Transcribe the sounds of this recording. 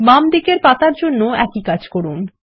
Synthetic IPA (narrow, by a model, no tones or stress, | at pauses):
mamd̪ikeɾpat̪aɾd͡ʑonːoɛkikad͡ʑkɔɾun